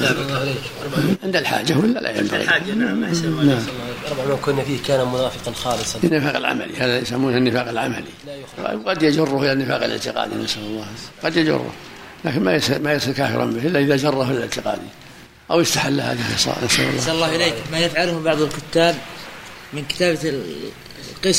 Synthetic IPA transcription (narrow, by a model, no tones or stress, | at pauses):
ʕɪnd̪alħa̰ːd͡ʒawʔɪlːalʔa̰ja̰mba̰ɣḭnaʕmːnaʕbʕɑmakʊnːafiːhkaːnamʊnaːfɪqɑnxɑːlɨsˤɑɪnːɪfaːqalʕa̰ma̰lihaːðajasamːuːnanːɪfaːqalʕama̰lḭ | wqɑd̪jad͡ʒʊrˤːʊhʔɪlanːɪfaːqalʔɪ̰ʕt̪ɪqɑ̰ːd̪ḭnasalɑlˤːɑːqɑd̪jad͡ʒʊ̰rˤːʊ̰h | laːkɪnmajmajasˤɨlkaːfɪ̰ɾˤɑ̰mbɪʔɪlːaʔɪðad͡ʒɑrˤːɑhɪlɪlɪ̰t̪ɪqɑ̰ːd̪i | ʔawjɪst̪aħalːahaːðaxɪsˤɑ̰nasa̰lɑ̰lˤːɑlːɑːɪleːkmajɪfʕalhbɑʕðˤalkʊt̪ːaːb̚ | mɪnkɪ̥t̪aːb | qɨs